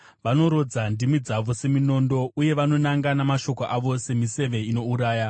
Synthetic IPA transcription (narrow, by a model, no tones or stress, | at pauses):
ʋano̞ɾo̞d͡zandimwid͡zaʋo̞se̞mino̞ndo̞uje̞ʋano̞naŋɡanamaʃo̞ko̞ʔaʋo̞se̞mise̞ʋe̞ino̞uɾaːja